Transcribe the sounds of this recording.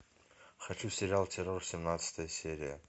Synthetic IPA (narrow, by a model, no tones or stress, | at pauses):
χɐt͡ʃʰusʲɪɾʲɪalˠt̪ʲʰerorsʲɪmnat̪sɨ̥t̪ʰəjəsʲeɾʲɪjə̰